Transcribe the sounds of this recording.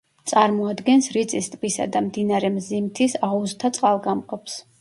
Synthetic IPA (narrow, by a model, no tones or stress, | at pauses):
t̪sʼaɾmɔad̪ɡɛnsɾit̪sʼist̪ʼbisa̰d̪amd̪inaɾɛmzimt̪ʰisauzt̪ʰat̪sʼqʼalˠɡamqʼɔps